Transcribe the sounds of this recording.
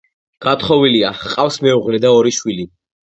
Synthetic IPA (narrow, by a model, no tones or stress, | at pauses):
ɡ̥at̪χɔviliaqʼafsmɛuʁlɛd̪aɔɾiʃwili